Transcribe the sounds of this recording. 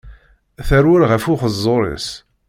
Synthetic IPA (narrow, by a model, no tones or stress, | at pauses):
θæɾwəɾʁəfʊχəzˤːoɾˤḭs